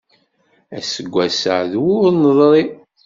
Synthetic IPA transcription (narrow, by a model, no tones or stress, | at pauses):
æsəɡʷːæsəʕðwʊɾnəðˤɾˤi